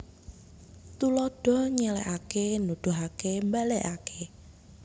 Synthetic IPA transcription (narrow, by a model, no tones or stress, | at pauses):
t̪ulɔɖ̥ɔ̤ɲɛlɛ̰ʔakenud̥ṳɦakembɛlɛʔakʰe